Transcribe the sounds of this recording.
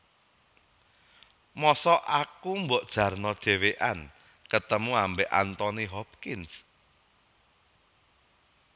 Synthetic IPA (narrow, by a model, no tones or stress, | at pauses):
mɔsɔʔakumbɔʔd̥ʒ̥ä̤rnɔd̥ʒ̥e̤weʔan | kət̪əmuambeʔa̰nt̪ɔniɦɔp̚kɪns